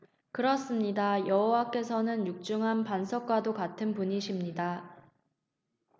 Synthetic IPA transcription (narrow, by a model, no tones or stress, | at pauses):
kɯɾʌs͈ɯmɲidajʌɦowak͈e̞sʰʌnɯnjuk̚t͡ɕ͈uŋɦanpansʰʌk̚k͈wadokatʰɯnpuɲiɕʰimɲida